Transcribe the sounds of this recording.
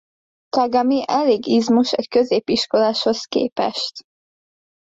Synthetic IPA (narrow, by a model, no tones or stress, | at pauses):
t̪ɒɡɒmiʔɛleːɡizmuʃɛ̰ckø̞zeːpiʃko̞laːʃho̞skḛːpɛ̰ʃt̪